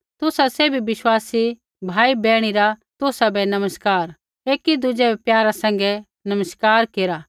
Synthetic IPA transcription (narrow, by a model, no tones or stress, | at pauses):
t̪ʊsaseːbʱibɪʃwaːsi | bʱaːibɛːɽ̃iɾat̪ʊsabɛnɐməskaːɾ | eːkid̪ʊd͡ʒɛbɛpjaːɾasɛ̃ŋ̆ɡɛ | nɐməskaːɾkeːɾaː